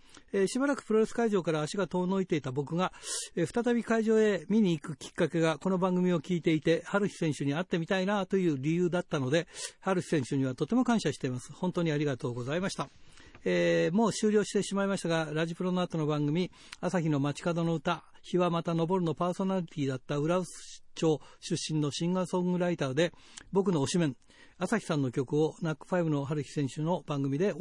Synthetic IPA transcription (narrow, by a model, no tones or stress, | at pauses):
eɕibaɾakɯ̟pɯ̟ɾo̞ɾe̞sɨ̥kaiʑo̞ːkaɾaːɕiɡat̪o̞ːno̞it̪e̞it̪abo̞kɯ̟ɡaɸɯ̥t̪at̪abʲikaiʑo̞ːe̞mʲiɲ̟iːkɯ̟kʲi̥kːake̞ɡako̞no̞bãŋɡɯ̟mʲio̞kʲiːt̪e̞it̪e̞haɾɯ̟çi̥sẽ̞ɰ̃ɕɨɲ̟iat̪ːe̞mʲit̪ainat̪o̞jɯ̟ːɾʲijɯ̟ːd̪at̪ːano̞d̪e̞haɾɯ̟çʲi̥sẽ̞ɰ̃ɕɨɲ̟iβat̪o̞t̪e̞mo̞kãɰ̃ɕaɕi̥t̪e̞masɨ̥hõ̞nt̪o̞ːɲ̟iaɾʲiɡat̪o̞ːɡo̞zaimaɕi̥t̪aemo̞ːɕɨːɾʲo̞ːɕi̥t̪e̞ɕimaimaɕi̥t̪aɡaɾaʑipɯ̟ɾo̞noat̪o̞no̞bãŋɡɯ̟mʲi | asaçʲino̞mat͡ɕi̥kad̪o̞no̞ɯ̟t̪a | çiβamat̪ano̞bo̞ɾɯ̟no̞paːso̞naɾʲit̪ʲiːd̪at̪ːaɯ̟ɾaɯst͡ɕo̞ːɕɨɕːĩnːo̞ɕĩŋɡasõ̞ŋɡɯ̟ɾait̪ad̪e̞ | bo̞k̬ɯ̟no̞ːɕimẽ̞ɴ | asaçʲi̥sãnːo̞kʲo̞kɯ̟o̞nakːɯ̥ɸaibɯno̞ɦaɾɯ̟çʲi̥sẽ̞ɰ̃ɕɨno̞b̥ãŋɡɯ̟mʲid̪e̞